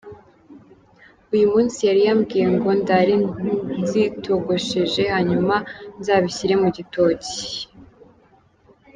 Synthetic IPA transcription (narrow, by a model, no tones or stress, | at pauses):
ujumuːnsijaɾijamɡiːijeŋɡo̞ndaɾizitʰo̞ɡo̞ʃeʒe̞haɲumanzaβiɕiɾe̞muɟito̞ːci̥